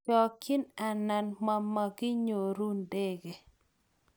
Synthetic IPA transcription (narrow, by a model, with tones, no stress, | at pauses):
ɔ˨ki˦na˨na˨nma˨ma˨ɡɪ˦ɲo˨ɾu˦nde˦ɡe˨